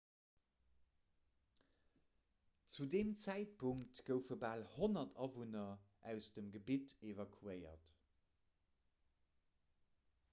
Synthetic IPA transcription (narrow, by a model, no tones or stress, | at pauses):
t͡sudeːmt͡sæɪt̚pʰuŋktɡ̥əʊfəbaːlhonɐtʰɑvunɐʔæʊsd̥əmɡəbitevɑkʰuəɪɐ̰t